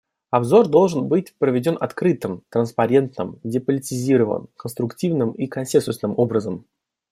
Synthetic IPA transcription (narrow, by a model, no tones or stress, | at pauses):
ɐbzo̞rd̪o̞lˠʐɨnbɨtʲpɾəvʲɪdʲo̞nʔɐt̪kɾɨt̪ɨmt̪ɾənspɐɾʲe̞nt̪nɨ̰mdʲɪpəlʲɪtʲɪzʲiɾəvə̰nkənst̪ɾʊktʲivnɨmikɐnsʲensʊsnɨmo̞bɾəzəm